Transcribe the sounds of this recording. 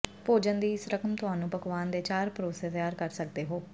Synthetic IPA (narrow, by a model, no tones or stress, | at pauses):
poːd͡ʒənd̪iːɪsɾəkəmt̪ʊɦaːnũːpəkʋaːnd̪eːt͡ʃaːɾpɾoːseːt̪əjaːɾkəɾsək̚d̪eːɦoː